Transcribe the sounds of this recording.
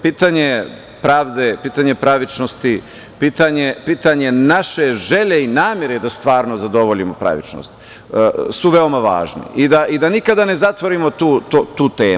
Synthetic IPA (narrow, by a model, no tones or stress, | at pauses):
piːt̪aɲe̞ | pɾaːʋd̪epiːt̪aɲe̞pɾaʋit͡ʃnost̪i | piːt̪aɲepiːt̪aɲe̞naʃe̞ʒe̞ʎe̞inaːmjeɾed̪ast̪ʋaːɾnozad̪o̞ʋoʎimopɾa̰ʋḭt͡ʃno̰st̪ | suʋeomaʋa̰ːʒnḭʔid̪aʔid̪anikad̪ane̞zat̪ʋo̞ɾimot̪uːt̪ot̪uːt̪eː